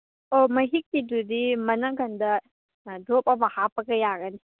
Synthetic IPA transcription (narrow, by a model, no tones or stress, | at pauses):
omɐɦik̚ːidudimɐnaɡɐndɐ | dop̚abɐhapɐɡɐjaɡɐni